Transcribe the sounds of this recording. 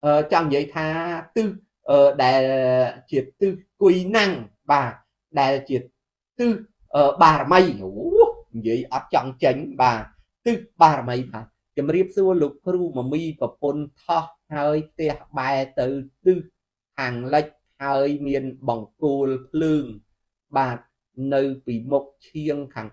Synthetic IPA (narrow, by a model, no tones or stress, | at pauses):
ʔəːt͡ɕɑŋɲjiəjt̪ʰaːt̪ɨh | ʔəːɗaɛlt͡ɕiət̪ɨhkujnaŋ | ɓaː | ɗaɛlt͡ɕiə | t̪ɨh | ʔəːɓaːɾaməjohɲjiəjʔɑt̪̚t͡ɕɑŋt͡ɕəɲɓaː | t̪ɨhɓaːɾaməjt̪ʰaː | t͡ɕɑmriəp̚suəloːk̚pruːmɔmiːprɑpunt̪ʰɑhhaəjpʰt̪ɛ̆əhɓaɛt̪ɨwt̪ɨh | kʰaːŋlɨc̚ | haəjmiənɓɑŋkoːlpʰlɨːŋ | ɓaːt̪̚ | nɨwpiːmuk̚t͡ɕʰiəŋkʰaːŋ